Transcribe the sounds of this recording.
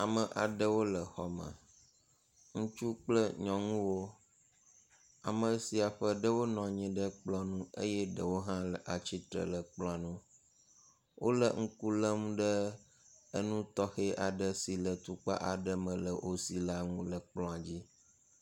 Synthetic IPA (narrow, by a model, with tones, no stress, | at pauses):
a˨mə̃˨ʔa˨ɖə˦wo˦lə˨xɔ˦mə̰̃˨ | ŋũ˦t͡ʃu˦k͡plə˦ɲɔ̃˨ŋũ˦wo˦ | a̰˨mə˨si˨a˨ɸə˦ɖə˦wo˦nɔ̃˨ɲĩ˦ɖə˦k͡plɔ̃˦nũ˦ḛ˦jɛ˦ɖə˨wo˦ɦã˦lə˨ʔa˨t͡ɕi˦t̪ɾə̰˨lə˨k͡plɔ̃˦a˨nũ˦ | wʔo˦lə˨ŋ̩˦ku˦lə˦m̃˦ɖə˦ | ə˦nũ˦t̪ɔ˦xe˦ʔa˨ɖə˦si˨lə˨t̪u˦k͡pa̰˦ʔa˨ɖə˦mə̃˨lə̰˨ʔo˦si˨la˦ŋũ˦lə˨k͡plɔ̃˦a˨d͡ʑi˦